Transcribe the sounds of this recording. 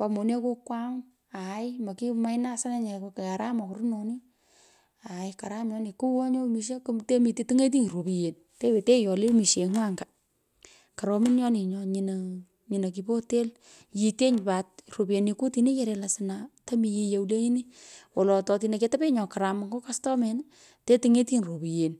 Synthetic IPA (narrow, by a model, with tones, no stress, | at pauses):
pa˨mo˨ni˦a˦ko˦kwa˦ŋ | a˨jma˨ki˦ma˦jna˦sa˦na˦ɲe˨ko˨ka˨ɾa˦ma˨ku˨ɾnɔ˨ni˦ | a˨jka˨ɾa˦mjɔ˦ni˨ku˦wɔ˦ɲo˦miʃ̬e˦kute˦mi˨ti˦ti˦ŋe˦t̬i˦ŋ˨ɾo˨pi˨je˨n | te˦we˨te˦jɔ˨le˦mi˨ʃe˨ŋ˦a˦ŋɡa˨ | ka˨ɾo˨mi˦njɔ˦ni˨ɲɔɲi˨n | ɲi˨na˨k̬i˨po˦te˦l | ji˨te˦ɲ˨pa˨t̚ro˨pi˨e˨nːi˨ku˦ti˨ni˦je˦ɾe˨la˨sɪna˨ta˦mi˨ji˧je˨ule˦ɲi˦ni˦wɔ˨lɔ˨tɔ˨ti˧ne˨ke˦ta˦pe˦ɲɔ˨ka˨ɾa˨ma˨ŋɡo˦kastɔ˦me˨n | te˦ti˨ŋe˦ti˦nro˨pi˨je˨n